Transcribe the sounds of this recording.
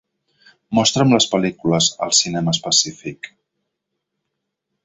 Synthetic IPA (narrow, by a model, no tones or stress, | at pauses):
mɔst̪ɾəmləspəlikuləzə̰lˠsinɛməːspəsifik